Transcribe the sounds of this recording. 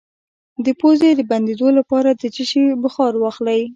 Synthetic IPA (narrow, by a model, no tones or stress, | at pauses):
d̪əpozed̪əband̪ed̪olapɑɾad̪ət͡ʃəʃibʊxɑɾwɑxlaj